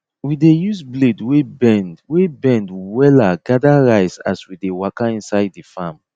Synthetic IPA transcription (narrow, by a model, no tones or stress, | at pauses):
widejusbledwebɛ̃ndwebɛ̃ndwɛlaɡadaɹaɪsaswidewakaĩnsaɪdːifam